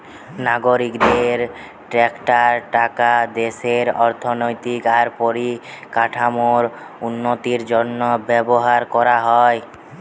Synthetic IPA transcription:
naɡoɾikd̪eɾ | ʈɾɛkʈaɾʈakad̪eʃeɾɔɾt̪ʰonojt̪ikaɾpoɾikaʈʰamoɾ | unːot̪iɾd͡ʑonːobɛboɦaɾkɔɾaɦɔe

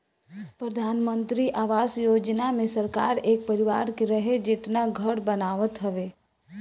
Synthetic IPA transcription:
pɾəd̪ʱaːnmə̃nt̪ɾiʔaːʋaːsjoːd͡ʒnamẽsɐɾka̰ːɾeːk̚pəɾɪʋaːɾkeɾɐɦed͡ʒɪt̪naɡʱəɽbənaːʋət̪ɦɐʋeː

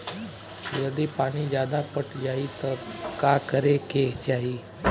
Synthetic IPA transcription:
jəd̪epaɽ̃iːd͡ʑjad̪apəʈd͡ʑait̪əɾkakəɾekeɦd͡ʒaɦiː

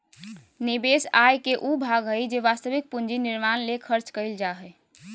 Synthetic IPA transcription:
nibesajkeʔubʱaɡɦəjd͡ʒeʋast̪əbik̚pund͡ʒiniɾmanlekʰəɾt͡ʃkəɪld͡ʒaɦəj

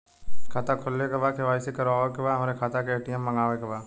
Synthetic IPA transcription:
kʰaːt̪akʰʊlːekebaːkeʋaːisekɐɾaːʋekebaːɦɐmɾekʰaːt̪akeeːʈijəmːɐ̃ŋɡaːʋekebaː

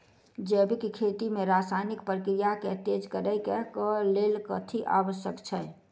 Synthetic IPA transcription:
d͡ʒɛːbʱikikʰeːt̪imẽɾaːsaːɪnɪkpɾəkɾijaket̪eːd͡ʒkəɾəjkɛkəleːlkə̰t̪ʰiʔa̰ːʋəʃjəkt͡ʃʰɛ

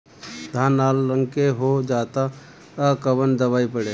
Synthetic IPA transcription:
d̪ʱaːnaːlːəŋkeɦod͡ʒaːt̪a | əkəbənd̪əʋaːipəɽe

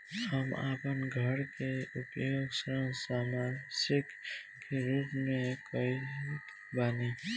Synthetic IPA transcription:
həma̰ːpənɡʱəɽkeʊpjoːsə̃saːmasɪk | keɾuːpmẽkəi | baːneː

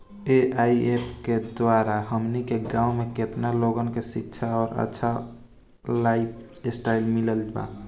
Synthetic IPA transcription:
eʔaiepʰked̪waɾaɦəmnikeɡãumeket̪naloɡənkesik̚t͡ʃʰaɔːɾə̰tːʃʰa | laipʰ | esʈailmiləld͡ʒba̰

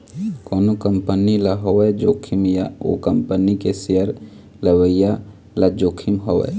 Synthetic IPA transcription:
koːnokəmpənilaɦowɛd͡ʒokʰimjao̰kəmpənikesejəɾ | ləwəja | lad͡ʒokʰimɦowɛ̰

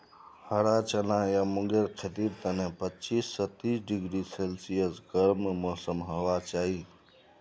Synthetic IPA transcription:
həɽat͡ʃənajamʊ̃ŋɡeɾkʰet̪ib̪̚t̪ənẽpət͡ʃiːsːət̪iːsɖɪɡɾiselsijəsɡəɾmmɔːsəmɦəʋat͡ʃaːɦi

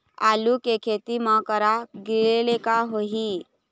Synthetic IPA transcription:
alukekʰet̪imakəɾaɡilelekaɦoɦi

